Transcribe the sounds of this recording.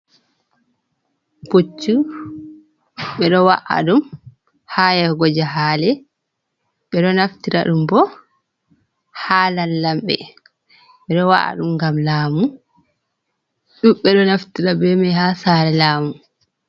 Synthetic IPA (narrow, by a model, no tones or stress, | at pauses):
b̥ot͡ʃːu | ɓɛɗɔwa̰ʔa̰ɗum | hajaɡɔd͡ʒaɦaːlɛ | ɓɛɗɔnaftiɾa̰ɗumbɔ | halanːamɓɛ̰ | ɓɛɗɔwa̰ʔa̰ɗumɡamlaːmu | ɗumɓɛɗɔnaftiɾabɛmɛhasaɾɛlaːmu